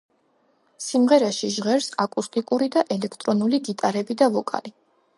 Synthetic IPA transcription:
simʁɛɾaʃiʒʁɛɾsakʼust̪ʼikʼuɾid̪aʔɛlɛkʰt̪ʼɾɔnuliɡ̪it̪ʼaɾɛbid̪avɔkʼa̰li

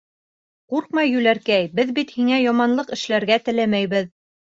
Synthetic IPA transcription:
quɾqmɑjːʉlæɾkæjbɘðbit̪hiŋæjɑmɑnlˠɤqɘ̆ʃlæɾɡæt̪ɘ̆læmæjβɘð

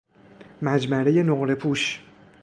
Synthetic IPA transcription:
mæd͡ʒmæɾe̞je̞noɣɾe̞pʰuːʃ

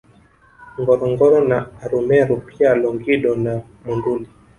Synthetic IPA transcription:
ŋɡɔɾɔŋɡɔɾɔnaːɾumɛɾupialɔŋɡiɗɔna | munduli

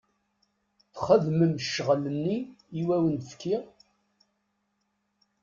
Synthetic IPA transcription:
θχəðməmʃːəʁlənːiːwæwənfkːi

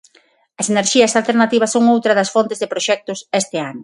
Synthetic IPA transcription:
ɐseneɾʃiɐsalt̪eɾnat̪iβ̞ɐsːoŋowt̪ɾɐðɐsfont̪ɪzðepɾoʃɛk̚t̪ʊsɛst̪ɪanʊ

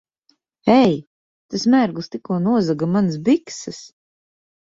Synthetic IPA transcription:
ɛj | t̪asmʲæɾɡlˠst̪ikuɔnuɔzaɡamans̬biksɨs

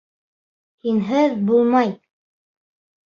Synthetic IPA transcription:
hinɦɘðbulˠmɑj

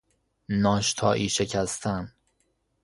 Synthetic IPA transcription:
nɒːʃt̪ʰɒ̰ːʔiːʃecʰæst̪ʰæn

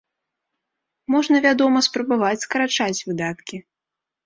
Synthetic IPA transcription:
mɔʐnɐvʲad̪ɔmɐspɾɐbavat͡sʲskɐɾat͡ʂat͡sʲvɨd̪at̪kʲi

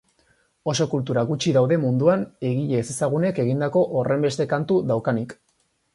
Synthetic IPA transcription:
o̞so̞kult̪̬uɾaɣut͡ʃiðawðe̞mund̪uane̞ɣiʎe̞se̞saɣ̞une̞ke̞ɣ̞ind̪ako̞ʔore̞mbe̞st̪e̞kant̪uðawkanik

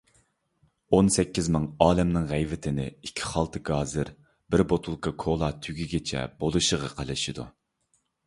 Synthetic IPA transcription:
onsɛkʲːizmɨŋɑːlɛmnɨŋʁɛjvɪt̪ʰɪnɪikʲʰːi̥χɑlˠt̪ʰɨɡɑːzɨɾ | bɪɾbot̪ʰulˠkʰɑkʰolˠɑːt̪ʰyɡʲiɡʲet͡ʃʰɛ̰bolˠuʃəʁɑqʰəlˠɨʃid̪ṵ

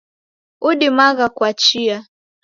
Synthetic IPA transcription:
uɗimaɣakwat͡ʃia

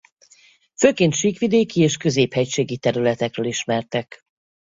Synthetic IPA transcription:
føːkeːnt̪ʃiːkʋid̪eːkieːʃkø̞zeːphɛcʃeːɡit̪ɛɾylɛt̪ɛkrøːliʃmɛrt̪ɛk

